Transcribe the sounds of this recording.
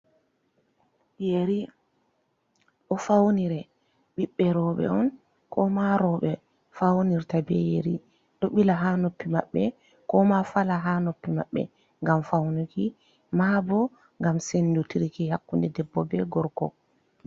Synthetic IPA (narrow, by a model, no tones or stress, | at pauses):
jeɾi | ɗɔfawniɾɛ | ɓiɓːɛɾɔɓɛ̰ɔn | kʰɔmaɾɔɓɛ | fawniɾtabɛjeɾi | ɗɔɓilaɦanopːima̰ɓːɛ | kɔmafalaɦanopːima̰ɓːɛ̰ | ŋɡamfawnuki | maːbɔ | ŋɡamsendutiɾikihakːundɛdɛbːɔbɛɡɔɾkɔ̰